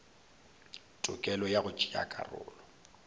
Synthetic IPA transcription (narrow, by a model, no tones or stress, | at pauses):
tʼʊkʼɛlɔjaɣʊt͡ʃʼia̰kʼa̰rʊ̰ːlɔ